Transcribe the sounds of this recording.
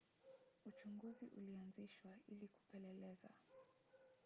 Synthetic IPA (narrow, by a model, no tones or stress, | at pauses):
ut͡ʃuŋɡuziʔṵlianziʃwailiku̥pɛlɛlɛza̰